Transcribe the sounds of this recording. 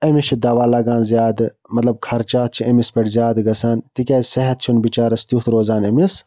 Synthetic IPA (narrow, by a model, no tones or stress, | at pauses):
ɐmiʃʰid̪aːʋaːlaːɡãːnzjaːd̪ɨ | mɐt̪lɐb̚kʰɐɾt͡ʃaːt̪̚t͡ʃʰiʔɐmispɐʈzjaːd̪ɡɐsaːnt̪ikʲaːsɐɦɐt̪̚t͡ʃʰunbit͡ʃaːɾɐst̪jut̪ʰɾoːzaːnɐmis